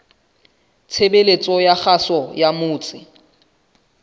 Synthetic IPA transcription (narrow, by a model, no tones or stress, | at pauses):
t͡sʰebelet͡sʼɔjaχasɔjamʊːt͡sʼɪ